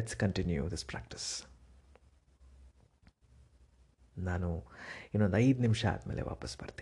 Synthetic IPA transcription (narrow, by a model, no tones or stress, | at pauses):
eʈskɐɳʈinjṵd̪ispɾæ̰ːk̚ʈi̥s | naːnuinːond̪ɐjd̪nimʂɐa̰d̪meːle̞̰ʋa̰ːpɐsbɐɾt̪i̥